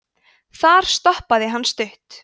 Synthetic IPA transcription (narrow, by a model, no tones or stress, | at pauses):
θaɾ̥st̪ɔhpaðɪɦanːst̪ʏht̪